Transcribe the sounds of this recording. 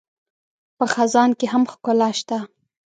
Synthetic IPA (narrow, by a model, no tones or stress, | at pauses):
pəxazɑnkeɦamxkʊlɑʃt̪a